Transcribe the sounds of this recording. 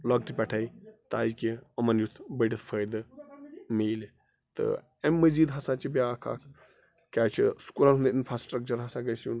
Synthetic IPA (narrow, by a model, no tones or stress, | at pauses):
lɔɡ̚ʈipʲɛʈʰajt̪a̰ːjkiɐmɐnjut̪ʰbəɖʲit̪ʰfʰəjd̪ɨ | meːl | t̪ɨ̰ | emːəziːd̪ɦɐsat͡ʃibʲjaːkʰa̰ːkʰ | kʲaːt͡ʃʰisu̥kulanɦund̪infɾaːsʈɾək̚t͡ʃɐɾɦɐsaɡəjsun